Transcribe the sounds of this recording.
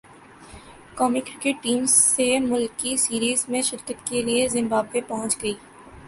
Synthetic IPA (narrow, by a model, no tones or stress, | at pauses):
kɔːmikɾɪkeʈʈiːmzːemʊlkːisiːɾiːzmẽʃɪɾkət̪keliezɪ̃mbaːbepɐɦʊ̃t͡ʃɡɐiː